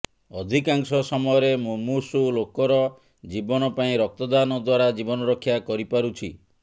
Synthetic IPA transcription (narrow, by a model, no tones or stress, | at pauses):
ɔd̪ʱikaŋsɔsɔmɔjɔɾemomusulokɔɾɔ | d͡ʒibɔnɔpaĩɾɔk̚t̪ɔd̪anɔd̪waɾad͡ʒibɔnɔɾɔkʰːjakɔɾipaɾut͡ʃʰi